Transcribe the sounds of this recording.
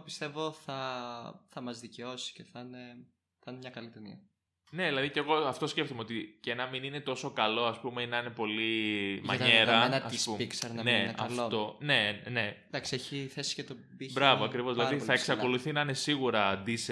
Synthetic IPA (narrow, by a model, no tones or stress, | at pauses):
pist̪e̞voθɐθɐmɐzðice̞o̞si̥ceθɐne | θɐnemɲɐkɐlit̪enḭɐ | ne̞ðilɐðice̞ɣo̞ɐft̪o̞sce̞ft̪omeo̞t̪icenɐminine̞t̪o̞so̞kɐlo̞ɐspumeinɐine̞po̞limmɐɲeɾɐnɐɐsspumpiksɐɾnɐnenɐ̰ɐlfot̪onene̞d̪ɐksieçiθesi̥cet̪o | bibɾɐvoɐkɾivozðilɐðiθɐeksɐko̞luθinɐine̞siɣuɾɐd̪is